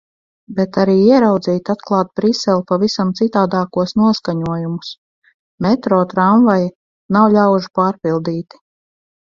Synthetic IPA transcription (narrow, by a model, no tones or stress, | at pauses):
bɛt̪aɾiːiɛɾawd̪ziːt̪ʲat̪klˠɑːt̪̚bɾisɛlʲˠpavisamt̪sit̪aːd̪aːkuɔsnuɔskaɲuɔjumus | mɛt̪ɾɔːt̪ɾaɱvaj | nawʎʲawʒu̥paːɾpilˠd̪iːt̪i̥